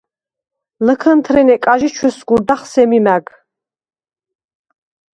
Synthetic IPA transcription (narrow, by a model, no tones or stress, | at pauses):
ləkʰənt̪ʰɾɛnɛkʼaʒit͡ʃʰwusɡuɾd̪aχsɛmimæɡ